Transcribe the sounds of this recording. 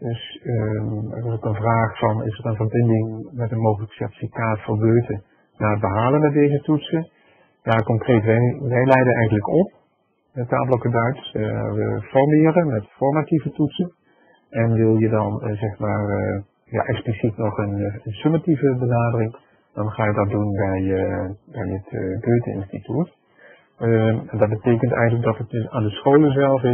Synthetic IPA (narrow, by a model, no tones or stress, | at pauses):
dɵs | ɛ̰rɪzokənvraːχfɑnɪ̰sərənvərbɪndɪŋmɛtənmowɣələksɛɹti̥fikaːtfʊːɹbøːtə | naːəd̚bəɦaːlənmɛd̚dejzətutsən | jakɔŋkrejtʋɛjʋɛjlɛjdənɛjχənləkɔp̚ | əta̰ːblokədœɥtsʋə̰fɔrmɪːrənmɛtfɔɹmativətutsən | ɛnʋɪlˠjədɑnzɛχmaːr | ja̰ːʔɛksplisitnɔχənənsømativəbənaːdərɪŋ | d̥ɑnχaːjədɑt̚dunbɛjbɛjətɡøːtəɪ̰nstitut | ɛndɑd̚bətejkəntɛ̰jɣənlək̚dɑtətaːndəsχowləzɛlˠfɪ